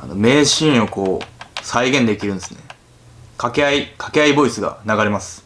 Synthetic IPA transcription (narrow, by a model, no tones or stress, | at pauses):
a̰no̞̰me̞ːɕĩɰ̃o̞ko̞ːsaiɡẽ̞nd̪e̞kʲiɾɯ̟̃nesɨ̥ne̞ | kakeaikʰḁke̞aibo̞isɨɡa̰naɡaɾe̞masɨ̥